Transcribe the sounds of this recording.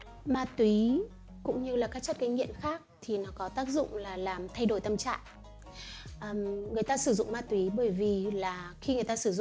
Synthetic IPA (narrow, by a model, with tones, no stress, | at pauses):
maː˧˩t̪wi˨˦ | kʊ̰˧˥ŋ͡mɲɨ˧laː˨˩kaː˦˥k̚t͡ɕə˦˥t̚kaː˨˦jŋḭ˧˨əmxaː˦˥k̚t̪ʰi˨˩nɔ˨˦kɔ˨˦t̪aː˦˥k̚zʊ̰˧˨ŋ͡mlaː˨˩laː˨˩mt̪ʰa˧jɗo˧˩jt̪ə˧mt͡ɕa̰ː˧˨ŋ | ʔəː˨˩mŋɨ˨˩əjt̪aː˧sɨ˧˩zʊ̰˧˨ŋ͡mmaː˧t̪ːwi˨˦ɓəː˧˩jvi˨˩laː˨˩xi˧ŋɨ˨˩əjt̪aː˧sɨ˧˩zʊ̰˧˨ŋ͡m